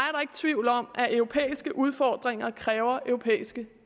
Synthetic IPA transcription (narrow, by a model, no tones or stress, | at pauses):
æɐɾɑ̈e̝ɡ̥t͡sʰʋiʊl̩ɒ̽m̰ʔæʔœʊʁo̝pʰḛːisɡ̥əʔuð̞ˠfɒːd̥ʁeŋ̰ɐkʰʁɛːʊɐʔœʊʁopʰḛːisɡ̥ə